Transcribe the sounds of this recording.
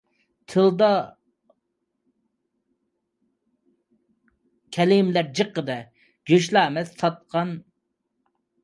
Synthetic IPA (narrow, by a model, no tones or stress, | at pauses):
t̪ʰɨlˠd̪ɑ | kʲʰɛlɪmlæɾd͡ʒəqːəd̪ɛ | ɡʲøʃlˠɑːmɛzsɑt̪̚qʰɑn